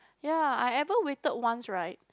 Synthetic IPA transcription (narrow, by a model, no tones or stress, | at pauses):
jaajɛvəwetət̚wãnsɹaɪt̚